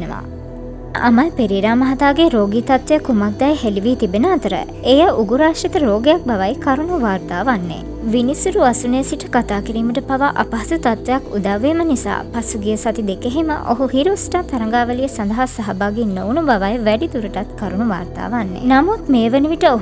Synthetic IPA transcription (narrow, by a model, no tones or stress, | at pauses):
nəʋa̰ | a̰mɐjpeɾiɾaːmɐɦɐt̪aːɡeɾoːɡiːt̪at̪ʋejəkumak̚d̪ajɦeliʋiːt̪ibenəat̪əɾə̰ | ejəʔuɡuɾaːʃɐt̪əɾoːɡejak̚baʋajkaɾunuʋaːɾt̪aːʋanːḛ | ʋinisuɾuasunesiʈəkat̪aːkiɾiːməʈəpaʋaʔa̰pɐɦɐsut̪at̪ʋejakud̪aʋːeːmənisa̰ːpasuɡijəsat̪id̪ekeɦimə̰ʔo̰ɦuhiɾosʈat̪aɾɐŋɡaːʋəlijəsand̪ɐɦasaɦabaːɡinːownubaʋajʋæɖit̪uɾəʈat̪kaɾunuʋa̰ːɾt̪a̰ːʋanːḛnamut̪meːʋəniʋiʈəoɦ